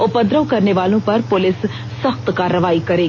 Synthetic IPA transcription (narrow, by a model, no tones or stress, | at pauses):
ʊpəd̪ɾəʋkɐɾneʋaːlõpɐɾpʊlɪsː | əxt̪kaːɾəʋaːikɐɾeːɡ